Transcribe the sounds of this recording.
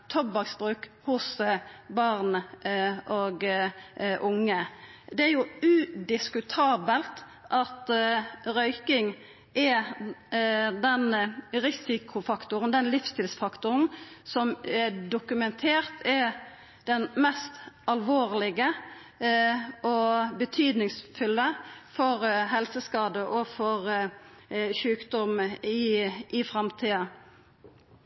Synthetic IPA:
t̪ʰɔbɑksbʁʉːkhʊsbɑʁʁnəʔoːɡ | ʔʊŋːəd̪ɛæjʊʉd̪ɪskʉt̪ʰɑːbəlt̪ | ʔɑt̪ʁœʏkɪŋ | ʔɛ | d̪ɛnʁɪsɪkʰʊfɑkt̪ʊʁənd̪ɛnlɪfst̪ʰɪlsfɑkt̪ʊɾənsɔmɛɖ̪ʊkʉmɛnt̪ʰeːʁt̪ʰɛ | d̪̥ɛnmɛst̪ɑlʋoːʁlɪɡə | ʔɔbət̪ʰyːd̪nɪŋsfʉlːəfɔʁɦɛlsəskɑːd̪əʔɔfɔʁ | çʉːkd̪ɔmɪʔɪfɾɑmt̪ʰiːɑ

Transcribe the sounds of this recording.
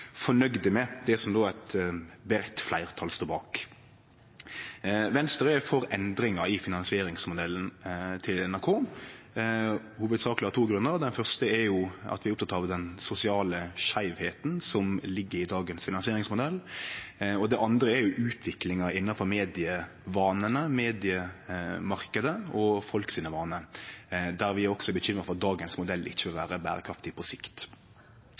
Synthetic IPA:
fɔɳœɡd̪əmɛd̪ɛsɔmd̪oːæɪt̪bəɾɛt̪ːflæɪʁt̪ʰɑlst̪oːbɑːk | ʋɛnst̪əʁəfɔɾɛnd̪ɾɪŋɑɪfɪnɑnsɪeːɾɪŋsmʊd̪ɛlːnt̪ʰɪlɛnæʁkʰoː | huːʋəd̪sɑːklɪhɑt̪ʰuːɡɾʉnːəʁd̪ɛnfœʁst̪əɛɾjʊɑ̰t̪ʋɪæɾʊp̚t̪ʰɑt̪ɑʋd̪ɛnsʊsɪɑːləʃæɪʋheːt̪nsɔmlɪɡːəɾɪd̪ɑːɡənsfɪnɑnsɪeːɾɪŋsmʊd̪ɛlː | ɔd̪ɛʔɑnd̪ɾəɛɾjʊʔʉːt̪ʰʋɪklɪŋɑɪnːɑnfɔɾmeːd̪ɪə | ʋɑːnənəmeːd̪ɪəmɑɾkəd̪əɔfɔlksiːnəʋɑːnə | d̪æɾʋɪæɾɔksɔɛbəçʏmːʁəfɔʁɑt̪̚d̪ɑːɡənsmʊd̪ɛlːʔɪ̰çːəʋɪlʋæ̰ːɾəbæ̰ːɾəkʰɾɑft̪ɪpʰɔsɪkt̪

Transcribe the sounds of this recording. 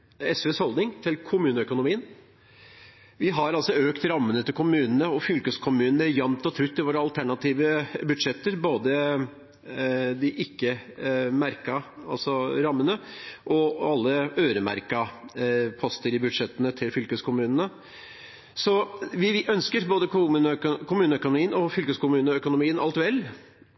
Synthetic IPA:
ɛsʋɛːshɔld̪nɪŋt̪ʰɪlkʰʊmʉːnəœkʊnʊmiːən | ʋɪɦɑɾɑlsɔøːkt̪ɾɑmːənət̪ɪlkʰʊmʉːnən̩əɔfʏlkəskʰʊmʉːnn̩əjɑmt̪ɔt̪ʰɾʉt̪ːɪlʋoːɾəɑlt̪ʰæɳɑt̪ʰiːʋəbʉd̪ʂɛt̪ːəɾboːd̪ə | d̪ɪʔɪkːəmæɾkɑɑlsɔɾɑmːənəʔɔɑlːəøːɾəmæ̰ɾkɑ | pʰɔst̪əɾɪbʉd̪ʂɛt̪ːənət̪ʰɪlfʏlkəskʰʊmʉːnənə | sɔʋɪʔœnskəɾboːd̪ənkʰʊmʉːnəœkʊnʊmiːənɔfʏlkəskʊmʉːnəœkʊnʊmiːənʔɑ̰lt̪ʋɛlː

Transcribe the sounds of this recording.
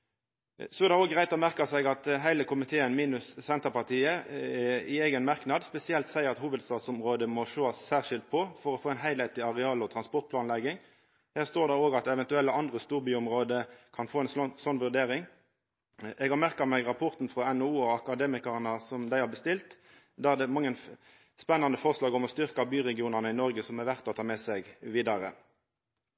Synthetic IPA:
sɔɛʁd̪æoːɡʁæɪt̪ɔmæʁkɑsɛɡɑt̪ɦæɪləkʰʊmɪt̪ʰeːənmiːnʉssɛnt̪əʁpɑʁt̪ʰiːəɛɪeːɡənmɑʁknɑd̪spɛsɪɛlt̪sæɪəʁɑt̪huːʋəd̪st̪ɑːd̪sʊmʁoːd̪əmɔʃoːɑsːæːʁʂɪlt̪̚pʰɔfɔɾɔfoːæɪnɦæɪlɛt̪ɪɑʁɛɑːlɔt̪ʰɾɑnspɔʁt̪̚pʰlɑːnlɛɡɪŋ | hæːʁst̪oːʁd̪ɛʁoːɡɑt̪ɛʋɛnt̪ʉɛlːəʔɑnd̪ʁəst̪uːʁbyːʊmʁoːd̪əkʰɑnfoːɛnsɔnːʋʉʁd̪eːʁɪŋ | ʔɛɡhɑʁmæʁkɑmɛɡʁɑpʰɔʁt̪n̩fʁɔɛnɔuːɔɑkɑd̪eːmɪkɑʁnəsɔmd̪æɪhɑːʁbəst̪ɪlt̪ | d̪æʁd̪ɛmɑŋːən | spɛnːɑnd̪əfɔʁslɑːɡɔmɔst̪ʏʁkɑbyːʁɛɡɪuːnɑʁnəɪnɔɾɡəsɔmɛʋæʁt̪ɔt̪ʰɑːmɛsɛɡʋiːd̪ɑʁə̰

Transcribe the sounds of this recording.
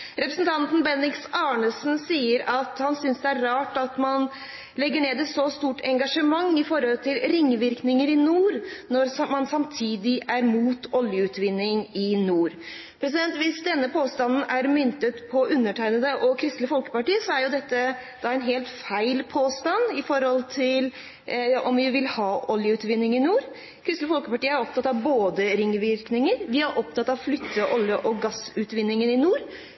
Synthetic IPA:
ɾɛpɾəsnt̪ʰɑnt̪n̩bɛnːɪksɑːɳəsn̩siːəɾɑt̪hɑnsʏnsd̪ɛæɾːɑːʈɑt̪mɑn | lɛɡːəɳeːd̪ɛsɔst̪uːʈɛŋɡɑʂəmɑŋːɪfɔɾhɔlt̪ʰɪlɾɪŋːʋɪɾknɪŋəɾɪnuːɾnɔɾsmɑnsɑmt̪ʰiːd̪ɪʔæɾmuːt̪ʰɔljəʉːt̪ʋɪnːɪŋɪnuːɾ | pʰɾɛsɪd̪ɛnt̪ʋɪsd̪ɛnːəpʰoːst̪ɑnn̩æɾmʏnt̪ət̪pʰɔʔʉnːəʈʰæɪnəd̪əʔɔkʰɾɪst̪ləfɔlkə̥pɑʈiːəsɔæɾjʊd̪ɛt̪ːəd̪̥ɑæɪnɦeːlt̪fæɪlpʰoːst̪ɑnɪfɔɾhɔlt̪ʰɪl | ɔmʋɪʋɪlhɑːʔɔljəʉːt̪ʋɪnːɪŋɪnuːɾ | kʰɾɪst̪ləfɔlkəpɑʈiːəæɾɔpt̪ɑt̪ːɑʋboːd̪əɾɪŋːʋɪɾknɪŋəɾʋɪɑɾʔɔp̚t̪ɑt̪ːɑʋflʏt̪ʰːəʔɔljəʔɔɡɑsʉːt̪ʋɪnːɪŋənɪnuːɾ

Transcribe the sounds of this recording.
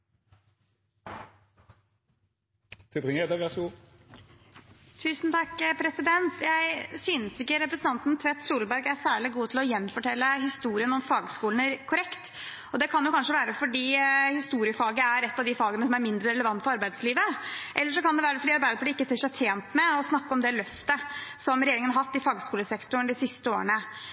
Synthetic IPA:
t̪ʰɪpɪŋəd̪əʋɪɑsu | t̪ʰʉːsnt̪ʰɑkːpʰɾɛsɪd̪ɛnt̪jæɪsyːnəsɪkːəɾɛpɾəsən̩ɑnt̪n̩t̪ʰʋɛt̪ːsuːləbæɾɡæɾsæːɭɪɡuːt̪ʰɪlɔjɛnːfɔʈʰɛlːəhɪst̪uːɾɪənɔmfɑːɡskuːln̩ækʰʊɾɛkt̪ | ɔd̪ɛkʰɑnjʊkʰɑnʂəʋæːɾəfɔɖiːhɪst̪uːɾɪəfɑːɡəæɾɛt̪ːɑʋd̪ɪfɑːɡənəsɔmæɾmɪnd̪ɾəɾɛləʋɑnt̪fɔɾɑɾbæɪd̪sliːʋəʔɛlːəʂɔkɑnd̪ɛʋæːɾəfɔɖiːɑɾbæɪd̪əpʰɔlɪkːəsɪʂæt̪ʰeːnt̪mɛɔsnɑkːəɔmd̪ɛlœft̪əsɔmɾɛjeːɾɪŋəhɑɾhɑt̪ːɪfɑːɡskuːləsɛkt̪ʊɳd̪ɪsɪst̪əoːəɳə

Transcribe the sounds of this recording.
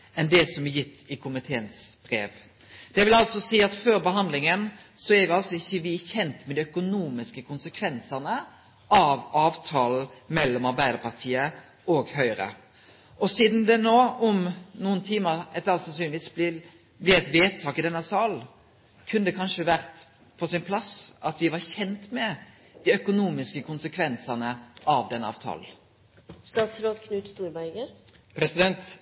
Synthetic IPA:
ɛnd̪ɛsɔmɛjɪt̪ːɪkʰʊmɪt̪ʰeːənsb̥ɾḛːʋ | d̪̥ɛʋɪlɑlsɔsiːɑt̪føːɾbəɦɑnd̪lɪŋən | sɔæɾʋɪɑlsɔɪçːəʋɪçɛnt̪mɛd̪ɪœkʊnuːmɪskəkʰʊnsəkʰʋɛnsəʁnə | ɑʋɑːʋt̪ʰɑːl̩mɛlːɔmɑɾbæɪd̪əɾpʰɑʁt̪ʰiːə | ɔɡhœʏɾə̰ | ɔsiːd̪n̩d̪ɛnoːɔmnuːənt̪ʰiːməɾɛt̪ɑlsɑnsyːnɪʋiːsb̪ɪ | blɪɛt̪ʋeːt̪ʰɑːkɪd̪ɛnːəsɑl | kʰʉnːd̪ɛkʰɑnʂəʋæɾt̪ | pʰɔsɪnpʰlɑsɑt̪ʋɪʋɑɾçɛnt̪mɛ | d̪̥ɪœkʊnuːmɪskəkʰʊnsəkʰʋɛnsɑnəɑʋd̪ɛnːəɑ̰ːʋt̪ʰɑ̰ːln̩ | st̪ɑːt̪sɾoːt̪kʰnʉːt̪st̪uːɾbæɪɡə | pʰɾɛsɪd̪ɛnt̪

